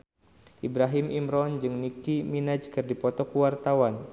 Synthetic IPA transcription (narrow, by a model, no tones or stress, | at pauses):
ʔibɾaɦimimɾɔnd͡ʒɨŋnikiminad͡ʒkɨrdipɔt̪ɔkuwart̪awan